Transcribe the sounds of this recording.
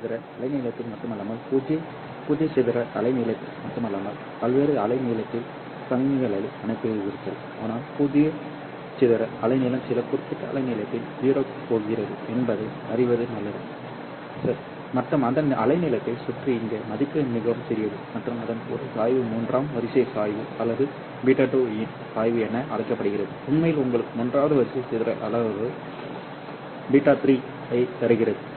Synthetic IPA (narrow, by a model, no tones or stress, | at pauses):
ðɪɾɐɐlɐɪniːlɐt̪ːɪlmɐʈːɯmɐlːaːmɐlpʊðjɐ | pʊðɪjɐsɛðɪɾɐɐlɐɪniːlɐt̪ːɪlmɐʈːɯmɐlːaːmɐl | pɐlʋeːɾɯɐlɐɪniːlɐt̪ːɪl | sɐmɪnɪɣɐɭɐliɐnɐɪpːɯɯɣɪɾɯt̪ːɐl | a̰ːnaːlpʊðɪjɐ | t͡ʃɛðɪɾɐɐlɐɪniːlɐmsɪlɐkːʊɾɯp̪ːɪʈːɐɐ̰lɐɪniːlɐt̪ːɪlʋiːɾoːkːɯpːoːɣɪrɐðɯɛnbɐðɛɪ | ɐɾɪʋɐðɯnɐlːɐðɐ | sɐɾ | mɐʈrɯmɐnd̪ɐnʔɐ̰lɐɪnɪlɐt̪ːɐɪsʊʈrɯɪŋɡemɐðɪkːɐmɪɣɐʋɯmt̪ɛɾɪjɐðɯmɐʈrɯmɐðɐnɔ̰ɾɯsaːjʋɯmuːndraːmʋɐɾɪsɐɪsaːjʋɯɐlːɐðɯ | biːʈaʈːoːɪn | saːjʋɯɛnːɐʔɐlɐɪkːɐpːɐɽɯɣɪɾɐðɯʊnmɐjɪlʊŋɡɐɭɯkːɯmʊndraːʋɐðɯʋɐɾɪsɛɪsɪðɪɾɐʔɐlɐʋɯ | biʈːaːt̪ɾiː | ɐɪt̪ɐɾɯɣɪɾɐðɯ